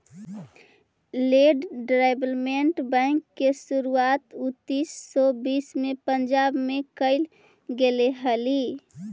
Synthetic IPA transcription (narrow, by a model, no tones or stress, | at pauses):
leɖɖɾaɪbəlmeɳʈbɛ̃ɪŋkːesuɾuat̪ut̪ːisːɔbiːsmepənd͡ʒabmekəɪl | ɡeleɦəli